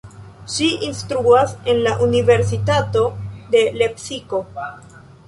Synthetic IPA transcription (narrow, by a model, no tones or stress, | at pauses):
ʃiʔinstɾuase̞nlaʔunive̞ɾs̬itato̞de̞le̞psiko̞